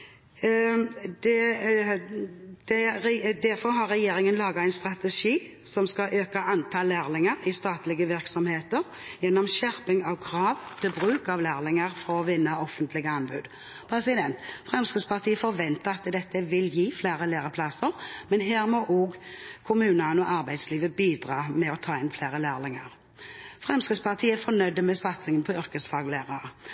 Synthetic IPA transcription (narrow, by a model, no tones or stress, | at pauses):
d̪̥ɛ | d̪̥ɛd̪æɾfɔɾɦɑɾːɛjeːɾɪŋənlɑːɡɑæɛɪnst̪ɾɑt̪ɛʂiː | sɔmskɑʔøːkɑʔɑnt̪ʰɑːlæːʁlɪŋəɾɪst̪ɑːt̪lɪɡəʋɪɾksɔmheːt̪əɾ | jɛnːɔmʃæʁpɪŋɑʋkʰɾɑːʋt̪ʰɪlbɾʉːkɑʋlæːʁlɪŋəɾfɔɔʋɪnːəʔɔfənt̪lɪɡəɑnbʉːd̪ | pʰɾɛsɪd̪ɛnt̪fʁɛmskɪd̪spʰɑʁt̪ʰiːəfɔɾʋɛnt̪əɑt̪d̪ɛt̪ːəʋɪljiːfleːɾəleːɾəpʰlɑsəʁmɛnɦeːʁmɔʔɔɡkʰʊmʉːnənɔʔɑɾbæɪd̪sliːʋəbiːd̪ʁɑːmɛɔt̪ʰɑːɪnfleːʁəlæːʁlɪŋɑʁ | fʁɛmskɾɪd̪spʰɑʁt̪ʰiːəæfɔɾnœʏd̪ːəmɛsɑt̪sɪŋənpʰɔʏʁkəsfɑːɡleːʁɑɾə